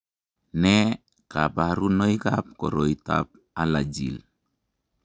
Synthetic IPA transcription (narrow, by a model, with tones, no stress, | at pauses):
nɛ˦ | ka˨pa˨ɾu˦no˦i˦ka˦p̚ko̰˨ɾo˨ita̰˦p̚ | a˦la˨d͡ʒḭ˨l